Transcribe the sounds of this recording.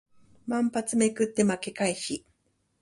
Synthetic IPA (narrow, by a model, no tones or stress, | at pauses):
mãmpat͡sɨme̞kɯ̟t̪ːe̞make̞kaiɕi